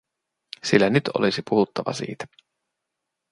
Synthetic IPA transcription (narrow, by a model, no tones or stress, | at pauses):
silːænyt̪o̰lisipuhut̪ːɑʋɑ̰sḭːt̪æ̥